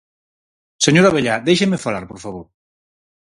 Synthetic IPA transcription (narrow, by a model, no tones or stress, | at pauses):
seɲoɾaβeʎad̪ejʃemefalaɾpoɾfaβ̞oɾ